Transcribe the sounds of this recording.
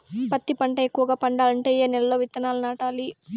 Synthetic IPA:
pɐt̪ːipɐɳʈɐekːuʋɐɡaːpɐɳɖaːlɐɳʈeːjeːnɛlɐlo̞ːʋit̪ːɐnaːlunaːʈaːli

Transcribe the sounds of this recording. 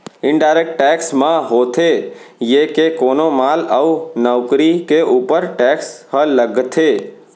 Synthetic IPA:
ɪ̃ɳɖaːɪɾek̚ʈːɛːksmãɦoːt̪ʰejeːkekoːnomaːləunɔːkɾikeʔuːpəɾʈɛːkshələɡt̪ʰeː

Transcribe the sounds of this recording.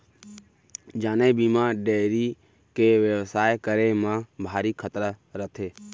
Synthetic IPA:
d͡ʒaːneːbiːmãːɖeːɾiː | keːʋəʋsaːjkəɾeːmãːbʱaːɾiːkʰət̪ɾəɾət̪ʰeː

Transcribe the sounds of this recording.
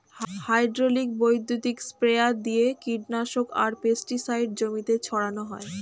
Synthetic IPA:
hajɖɾolik̚bojd̪ːut̪ikspɾead̪ijekiɖnaʃoka̰ɾpesʈisajɖ̚d͡ʑomit̪et͡ɕʰɔɽanoɦɔe

